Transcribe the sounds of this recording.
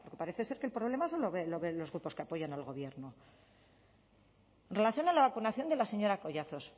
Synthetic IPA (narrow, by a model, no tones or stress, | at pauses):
po̞ɾke̞paɾe̞θe̞se̞ɾkelpɾo̞βle̞masoloβeloβelo̞zɣɾupo̞skeapo̞ʝanalɣo̞β̞je̞ɾno | enrelaθjo̞nalaβakunaθjo̞nd̪elase̞ɲo̞ɾako̞ʝaθo̞s